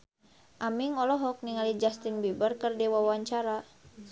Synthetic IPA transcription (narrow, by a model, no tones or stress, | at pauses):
ʔamiŋɔlɔɦɔk̚niŋalid͡ʒast̪inbibərkərdiwawaɲt͡ʃaɾa